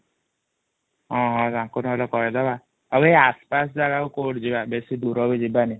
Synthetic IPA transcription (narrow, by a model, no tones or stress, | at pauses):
ɦɔ̃ɦɔ̃d͡ʒãŋkunɦɔlɔkɔɾed̪aba | abɦeaspas̬d͡ʒaɡakukoʈd͡ʒibabesid̪uɾɔbid͡ʒibani